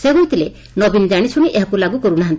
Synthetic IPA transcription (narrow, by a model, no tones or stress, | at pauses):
seɦojt̪ʰile | nɔbind͡ʒaɽ̃isʰuɽ̃iʔeɦɔkulaɡukɔɾunaɦant̪i̥